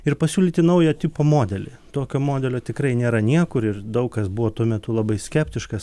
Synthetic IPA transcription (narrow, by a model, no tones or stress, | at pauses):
ɪɾpɐsʲuːlʲiːt̪ʲɪnɐʊjot̪ʲɪpoːmoːd̪ʲɛlʲḛt̪oːkʲoːmoːd̪ʲɛlʲoːt̪ʲɪkɾɐɪnʲeːɾɐnʲiɛkʊɾɪrd̪ɐʊkkɐsbʊʋoːt̪uɔmʲɛt̪ʊlˠɐbɐɪsʲkʲɛpʲt̪ʲɪʃkɐs